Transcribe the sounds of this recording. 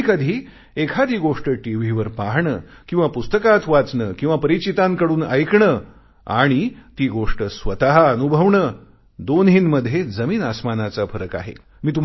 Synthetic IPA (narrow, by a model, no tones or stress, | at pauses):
kəd̪ʱiː | ekʰad̪iːɡoʂʈəʈiʋ̤iʋəɾpaɦɳəkĩw̃ʋapust̪əkat̪ʰʋat͡sɳəkĩw̃ʋapəɾit͡ɕit̪aŋkəɽuːnəjkɳə | a̰ɽ̃it̪iːɡoʂʈəsʋət̪aɦaənubʱəʋɳə | d̪onɦiːnməd̪ʱːjed͡zəmiːnəsmanat͡safəɾəka̰ɦḛ | miːt̪̬u